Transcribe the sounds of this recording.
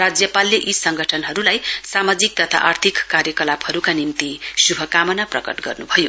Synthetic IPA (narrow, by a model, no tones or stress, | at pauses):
rad͡zjʌpalːeʔisʌŋɡʱʌʈʰʌnɦʌɾulajsamad͡zik̚t̪ʌt̪ʰa̰ʔart̪ʰikːarjʌkʌlaphʌɾukanimt̪isubʱʌkamʌnaprʌkʌ̰ʈɡʌ̰rnubʱʌjo